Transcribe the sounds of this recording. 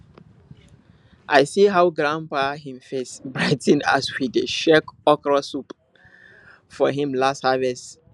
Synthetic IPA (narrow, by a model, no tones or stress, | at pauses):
ʔaɪsiɦawɡɹãnpaɦĩmfesbɹaɪtĩna̰swideʃɛkɔkɹasup | fɔɦĩmlasthavɛs